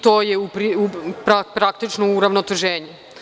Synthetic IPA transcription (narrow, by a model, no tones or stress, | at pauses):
t̪oːjeupɾiupɾapɾakt̪it͡ʃnouɾaʋnot̪eʒeːɲe